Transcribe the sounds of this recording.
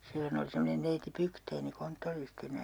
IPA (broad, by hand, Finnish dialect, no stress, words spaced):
silːon oli semːonen neiti pykteini kontːoristinæ